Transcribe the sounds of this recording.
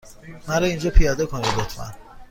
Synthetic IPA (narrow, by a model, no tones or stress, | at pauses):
mæɾɒind͡ʒɒːpʰijɒːd̪ekʰonid̪lot̪ʰmæ̰n